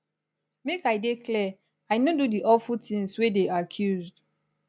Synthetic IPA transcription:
mekajdekʰlɛ | aɪnodudiʔɔfutĩŋswedeakʰjuzd

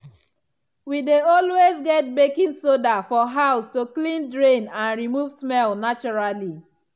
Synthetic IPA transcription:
wideɔlwezɡɛt̚bekĩnsodafɔɦaʊstoklĩndɹẽnãnɹimuvsmɛlnat͡ʃɔɹali

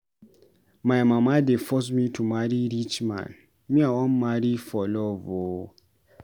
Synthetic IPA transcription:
mãjmãmãdɪfɔs̬mĩtʰumaɾiɾit͡ʃmã̰n | mĩawɔ̃nmaɾifɔlɔvo

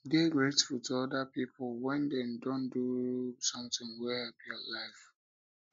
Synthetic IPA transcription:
deɡɹetfulˠtʰuɔdapipʰlwɛ̃ndɛ̃ndõndusʌ̃mtɪ̃ŋwɛhɛpiɔlaɪf

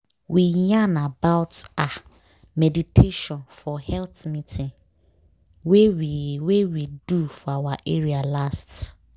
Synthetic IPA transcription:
wijãnabaʊta | mɛditʰeʃɔ̃nfɔhɛlθmĩtʰɪ̃ŋ | wewiwewidufɔawaʔeɹialast

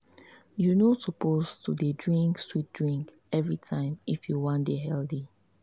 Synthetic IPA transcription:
junosɔpoztudedɹĩŋkswit̚dɹĩŋk | ɛvɹitʰãɪ̃mifjuwɔ̃ndeɦɛldi

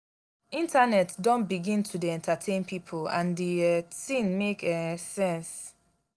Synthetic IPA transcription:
ĩntʰanɛtdɔ̃nbiɡĩntʰudeɛ̃ntatʰẽnpʰipʰolã̰nditĩnmekɛsɛ̃ns

